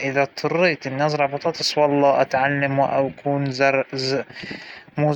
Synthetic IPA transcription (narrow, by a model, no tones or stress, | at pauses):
ʔɪðat̪ˤʰːʊrːiːt̪ɪnːaːs̬ɾˤɑʕbɑt̪ˤɑt̪ɨsˤwɑlˤːɑːʔat̪ʕalːamwɪʔa̰kʰuːnzɑɾˤz | muːz